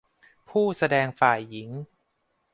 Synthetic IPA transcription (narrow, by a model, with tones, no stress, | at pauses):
pʰuː˥˩sa˧dɛː˧ŋfaː˨˩jːi˩˦ŋ